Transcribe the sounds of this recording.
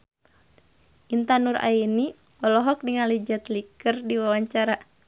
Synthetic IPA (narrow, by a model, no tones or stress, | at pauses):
ʔint̪anurʔa̰ini | ɔlɔɦɔk̚diŋalid͡ʒat̪likərdiwawaɲt͡ʃaɾa